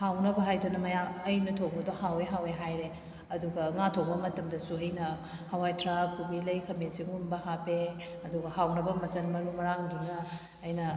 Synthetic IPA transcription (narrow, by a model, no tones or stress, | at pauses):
hawnɐbɐɦajdʰonɐmɐjaɐjnɐtʰok̚bɐdohaweɦaweɦajɾe | ɐduɡɐŋatʰok̚bɐmɐtɐmdɐsuɐjnɐ | hawajtʰɾakːubilɐjkʰɐmesiŋunbɐhapeɐduɡɐhawnɐbɐmɐsɐnmɐɾumɐɾaŋdinɐː | jnɐ